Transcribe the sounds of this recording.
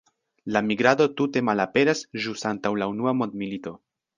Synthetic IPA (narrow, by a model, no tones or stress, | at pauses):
lamiɡɾado̞tute̞malape̞ɾasʒusantawlaunuamo̞nd̪milito̞